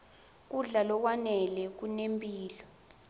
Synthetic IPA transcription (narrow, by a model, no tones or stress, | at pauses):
k̬uɮalɔk̬wanɛlɛk̬unempʼiːlɔ